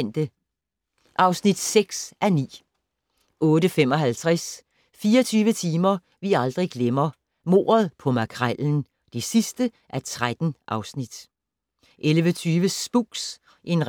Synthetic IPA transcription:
n̰d̥ə | ʔɑ̈ʊsnid̥seɡ̥sʔænḭː | ʔɔ̽ːɾəfem̰ɒ̽ɦælt͡sʰʁas | fiːɐt͡sʰyːʋət͡sʰiːmɐ | ʋiɑ̈ld̥ʁiɡ̥lemɐ | mo̝̰ːɐð̩ˠpʰɒ̽mækʰʁaln̩ | d̥e̝sisd̥ə | ʔæt͡sʰʁad̥n̩ʔɑ̈ʊsnid̥ | ʔelʋət͡sʰyːʋəsb̥uɡ̥s | ʔe̝nʁ

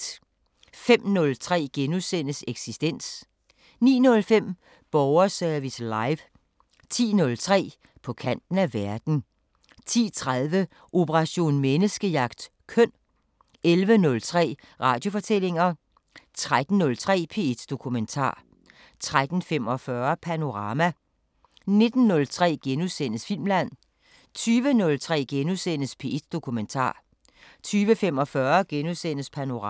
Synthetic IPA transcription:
fem̰nɔ̽lt͡sʰʁɛ̰ːɡ̥enusen̰əseɡ̥sisd̥en̰s | nḭːnɔ̽lfem̰ | b̥ɒʊɐsæɐʋislɑ̈ɪʋ | t͡sʰḭːnɔ̽lt͡sʰʁɛ̰ː | pʰɒ̽kʰæn̰d̥n̩æʋæɐd̥n̩ | t͡sʰḭːt͡sʰʁaðˠʋə | ʔo̝pʰəʁɑ̈ɕo̝̰ːnmenəsɡ̥əjɑ̈ɡ̥d̥ | kʰœn̰ | elʋənɔ̽lt͡sʰʁɛ̰ː | ʁɑ̈d̥jo̝fɒ̽t͡sʰel̰e̝ŋɐ | t͡sʰʁad̥n̩nɔ̽lt͡sʰʁɛ̰ːpʰe̝ːed̥d̥o̝kʰument͡sʰɑ̰̈ː | t͡sʰʁad̥n̩femɒfɶɐpʰæno̝ʁɑ̈mæ | ne̝d̥n̩ːɔ̽lt͡sʰʁɛ̰ːɡ̥enuðˠsen̰əsfil̰mlæn̰ | t͡sʰyːʋənɔ̽lt͡sʰʁɛ̰ːɡ̥enuðsen̰əspʰe̝ːed̥d̥o̝kʰument͡sʰɑ̰̈ː | t͡sʰyːʋəfem̰ɒ̽fɶɐɡ̥enuðˠsen̰əspʰæno̝

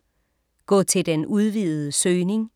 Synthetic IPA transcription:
ɡ̥ɔ̰̽ːt͡sʰe̝ld̥enuð̞ˠʋiðˠð̩ˠəsøːne̝ŋ

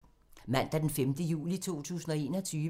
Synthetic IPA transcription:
mæn̰d̥ɑd̥enfemd̥əjṵːlit͡sʰo̝̰ːt͡sʰṵːsn̩ɒ̽e̝ːnɒt͡sʰyː

